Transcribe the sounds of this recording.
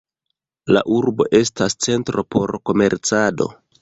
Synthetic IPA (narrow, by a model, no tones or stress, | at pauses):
la̰ʔuɾbo̞̰ʔe̞stast͡se̞ntɾo̞po̞ɾko̞me̞ɾt͡sado̞̰